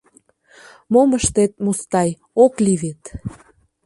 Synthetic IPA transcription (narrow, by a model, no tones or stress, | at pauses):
moməʃt̪et̪̚must̪ɑj | okliβet̪